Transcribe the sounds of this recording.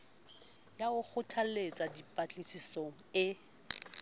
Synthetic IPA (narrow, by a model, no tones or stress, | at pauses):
jaʊk͡xʰʊtʰalet͡sʼadipʼat͡ɬʼisisoŋ̩ɪ